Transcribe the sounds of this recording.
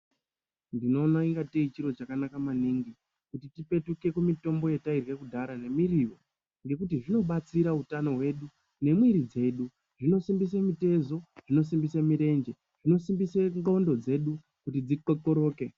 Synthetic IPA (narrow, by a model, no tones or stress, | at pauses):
ndino̞ːnaiŋɡateit͡ʃiɾo̞t͡ʃakanakamaniŋɡi | kutitipe̞tuke̞kumito̞mbo̞jetairwe̞kudʱaɾane̞miriwo | ŋɡe̞kutiʐino̞ɓat͡siɾautano̞ɦwe̞ːɗu | ne̞mwiɾid͡ze̞ːɗu | ʐ̥ino̞simbis̬emite̞zo̞ʐ̥ino̞s̬imbisemiɾe̞nd͡ʒe | ʐ̥ino̞simbiseŋɡondo̞d͡ze̞ɗu | kutid͡zikoko̞ɾo̞ːke̞